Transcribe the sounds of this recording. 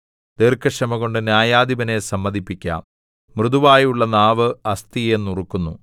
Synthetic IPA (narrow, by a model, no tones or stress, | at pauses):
t̪erkɐʂɐmɐɣo̞ɳɖɨnjaːjaːd̪iʋɐne̞sɐmːɐd̪ipːikʲːa̰ːm | mrɨðuʋaːjuɭːɐnaːʋɨɐst̪ie̞nːurukːunːu